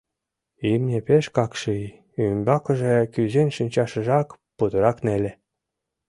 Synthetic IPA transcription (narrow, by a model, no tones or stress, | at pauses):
imnʲepeʃkɑkʃɯj | ymbɑkə̆ʒekyzenʃynʲt͡ɕɑʃə̆ʒɑk | pud̪əɾɑknelʲe